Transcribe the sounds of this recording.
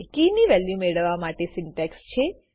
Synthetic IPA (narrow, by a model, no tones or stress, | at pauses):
kiniʋɛljumeɭəʋamaʈesɪɳʈɛkst͡ʃʰe